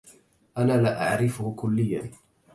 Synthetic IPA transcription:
ʔanaːlaːʔa̰ʕɾɪfʊhkʊlːɪjːa

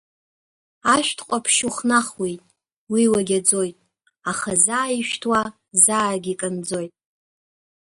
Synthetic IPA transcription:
aʃʷᶣtʰqʷʼapʰʃuχnaχwejtʼ | wiwaɡʲad͡zojtʼ | aχazaːiʃᶣtʰwa | zaːɡʲikʼɨnd͡zo̞jtʼ

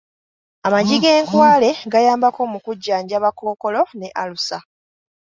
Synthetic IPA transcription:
amaɟiɡe̞ːŋkwaːle̞ɡajaːmbako̞mukuɟːaːɲɟaβako̞ːko̞lo̞ne̞ʔalusa

